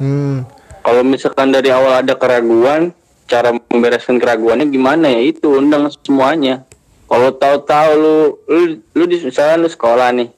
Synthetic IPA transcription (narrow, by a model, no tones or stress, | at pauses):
m̩ | kalomisalkandaɾiawaladakəɾaɡuan | t͡ʃaɾambeɾaskankəɾaɡuanɲaɡimanajait̪uːndaŋsə̥səmuaɲa | kalot̪aut̪aulʊlulʊdisisalanlʊsə̥kolahnɪh